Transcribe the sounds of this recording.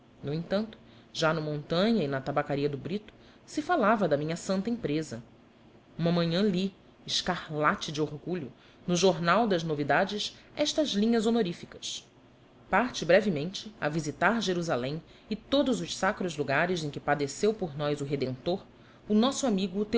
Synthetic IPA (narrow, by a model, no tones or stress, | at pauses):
nʊẽj̃t̪ɐ̃nt̪ʊ̥ | ʒanɐmõnt̪ɐ̃ɲɐɪnɐt̪abakaɾiɐd̪ʊbɾit̪ʊ̥ | sɪfalavɐd̪ɐmĩɲɐsɐ̃nt̪ɐẽpɾezɐ̰ | ũmɐmɐ̃ɲɐ̃li | ɪʃkahlat͡ʃɪd͡ʒɪoɾɡuʎʊ | nʊʒoɾnawd̪ɐʒnovid̪ad͡ʒɪsɛʃt̪ɐzlĩɲɐzonoɾifikɐ̥s | paɾt͡ʃɪbɾɛvimẽnt͡ʃɪɐvizit̪aɾʒeɾuzalẽj̃ | ɪt̪od̪ʊzʊʃsakɾʊzluɡaɾɪzẽj̃kʲɪpad̪esewpoɾnɔjzʊɦed̪ẽnt̪oɾ | ʊnɔsʊamiɡʊt̪e